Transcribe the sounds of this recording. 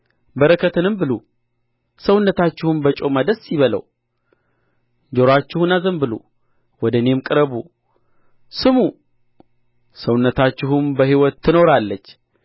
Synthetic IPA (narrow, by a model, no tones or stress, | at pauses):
bəɾəkʰət̪ʰɨnɨmbɨlṵ | səwʊnːət̪at͡ʃːɪhumbət͡ʃʼo̞mad̪əsɪβələ̰w | d͡ʒo̞ɾat͡ʃːɪhunazəmbɨlṵ | wɔd̪əne̞mkʼɨɾəβu | sɨmu | səwʊnːət̪at͡ʃːɪɦumbəɦiwɔt̪ːɨno̞ɾalːət͡ʃː